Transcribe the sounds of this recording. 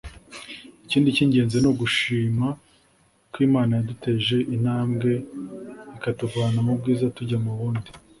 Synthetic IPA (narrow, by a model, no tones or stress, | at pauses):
iciːndiciːɲɟe̞ːnze̞no̞ɡuʃiːma | kwiːmaːnajadute̞ʒe̞ʔin̥haːmɡe̞ | ikatuɡwaːnamub̚ɡiːzatuɟamuβuːndi